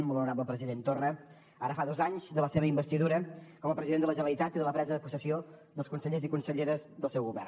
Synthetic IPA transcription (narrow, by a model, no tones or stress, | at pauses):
mbəlunuɾabləpɾəziðent̪orə | aɾəfaðozaɲzðələseβəimbəst̪iðuɾəkɔməpɾəziðend̪ələʒənəlit̪at̪iðələpɾɛzəðəpusəsioðəlˠskunsəʎezikunsəʎeɾəzðəlˠsɛwɣuβɛ̰r